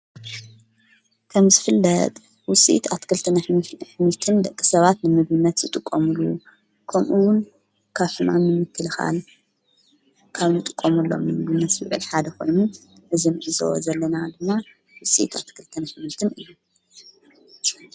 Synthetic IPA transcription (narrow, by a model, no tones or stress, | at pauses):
kʰɐmzɨfɨlːɐ̰t̪ʼ | wʊsʼḭt̪at̪kʰɨlt̪ʰɨnħmit̪ʰɨnd̪ɐkʼːi̥sɐβat̪nɨmɨβɨnːɐt̪zɨt̪ʼɨkʼːomulu | kʰɐmʔuwʊn | kʰaβħɨna̰nːɨmɨkʰːɨlɨxa̰l | kʰaβnɨt̪ʼɨ̥kʼːomulːo̞̰mnɨɨbɨnːɐswɨʕɨ̰lħad̪ɐko̞̰jnu | ʔɨzinɨʔɨzɐ̰wo̰zɐlːɐnad̪ɨmːa | wʊsʼḭt̪ʰa̰t̪kʰɨlt̪ʰɨnħmit̪ʰɨnɨjːu